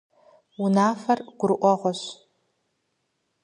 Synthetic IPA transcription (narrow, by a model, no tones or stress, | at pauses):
unaːfɐrɡ̥ʷʊɾʔʷɔʁʷɔɕ